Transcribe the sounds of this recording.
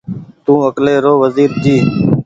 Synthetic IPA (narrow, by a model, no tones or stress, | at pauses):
t̪ũːəkleːɾoːʋəziːɾd͡ʒiː